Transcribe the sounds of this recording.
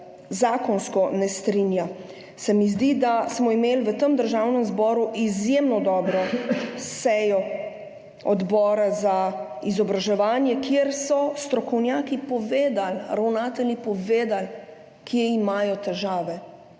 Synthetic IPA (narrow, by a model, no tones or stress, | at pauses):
zaːkɔnskɔnɛst̪ɾinja | sɛmizd̪id̪asmɔimeːlʋət̪əmd̪əɾʒaːwnəmzbɔːɾuʔizjemnɔd̪ɔːbɾɔsɛjɔ | ɔd̪bɔːɾaza | izɔbɾaʒɛʋaːnjɛkjeɾsɔst̪ɾɔkɔwnjaːkipɔʋeːd̪alɾawnaːt̪ɛlnipɔʋeːd̪al | kjɛimaːjɔt̪ɛʒaːʋɛ